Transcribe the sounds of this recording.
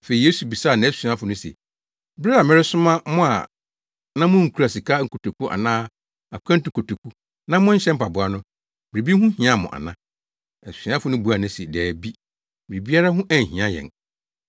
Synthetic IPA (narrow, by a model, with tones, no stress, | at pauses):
fe˨i˨je˦su˨bi˨saː˦˨nã˨˦ssi˨ã˦fʊ˨nʊ̃˦sɛ̰˨ | bɾa˦a˨mɪ̃˦ɾɪ˦sʊ˦mã˦mʊ̃˦a̰˨ | nã˦mʊ̃˦ŋ̩˨kʰu˦ɾa˨si˨kʰa˦ŋ̩˨kʰo˨tʰo˨kʰu˦ʔa̰˨nãː˦ | a˨˦kʰã˦n̩˦tʊ̃˨kʰo˨tʰo˨kʰu˦ | nã˦mʊ̃˦ɲ̩˦ɕɛ˦m̩˦pa˨bʊ˨a˨nʊ̃˦ | mɪ˨ɾi˨bi˦hʊ̃˦hĩ˨˦ã˦mʊ̰̃˨ʔa̰˨nã˦ | ɛ˨ssi˨˦ã˦fʊ˨˦nʊ̃˦bu˨˦a˨nʊ̃˦sɛ˨dɛː˨bi˦ | mɪ˨ɾi˨bi˦a˦ɾa˦ɦʊ̃˦ʔæ˨ɦĩ˨ã˦jɛ̰̃˨n